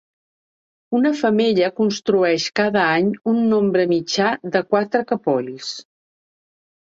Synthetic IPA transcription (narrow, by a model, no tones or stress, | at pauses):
unəfəmeʎəkunst̪ɾuɛʃkaðəaɲunːombɾəmid͡ʒaðəkwat̪ɾəkəpɔʎs